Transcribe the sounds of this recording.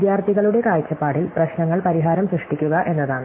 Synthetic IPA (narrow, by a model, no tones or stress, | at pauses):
d̪jaːrt̪ʰiɣɐɭuɽe̞kaːjt͡ɕːɐpːaːɽilprɐɕnɐŋːɐɭpɐɾiɦaːɾɐmsɾɨʂʈikʲːuɣɐʔe̞nːɐðaːɳɨ